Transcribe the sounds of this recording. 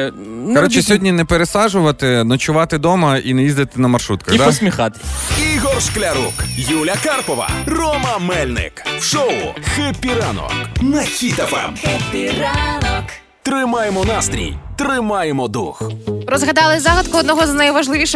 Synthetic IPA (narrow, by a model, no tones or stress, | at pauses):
kɐɾɔt͡ʃɪsʲɔɦɔdʲnʲinɛpeɾesɑʒʊʋɐt̪ɪnɔt͡ʃʊʋɑt̪ɪd̪ɔmɐʔinɛjizd̪ɪt̪ɪnɐmɐrʃɾut̪̚kɐd̪aɔsʲmʲixɑt̪ɪ̥iɣɔrʃklʲɐɾṵkjulʲɐkarpɔʋɐ̰rɔmɐmɛlʲnɪ̰kwʃɔʊ̰xɪpʲiɾanɔ̰knɐkʲit̪ɐpɛ̰mpʲɾanɔk | t̪ɾɪmajemɔnast̪ʲɾʲḭjt̪ɾɪmajemɔd̪ṵxɾɔzɣɐd̪ɑlˠɪzɑɣɐd̪kʊɔd̪nɔɦɔznɐjʋɐʒlˠɪʋʲiʃ